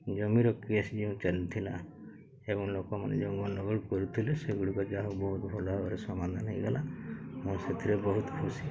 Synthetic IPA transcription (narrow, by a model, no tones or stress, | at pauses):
d͡ʒɔmiɾɔkesd͡ʒeũt͡ʃalit̪ʰila̰ | ebɔŋlokɔmanḛd͡ʒeũŋɡɔnɖɔɡɔɽkɔɾut̪ʰileseɡuɽikɔd͡ʒaɦɔbɔɦut̪bʱɔlɔbɔɾesɔmand̪ʱanɦejɡalʔamũset̪ʰiɾebɔɦut̪kʰusi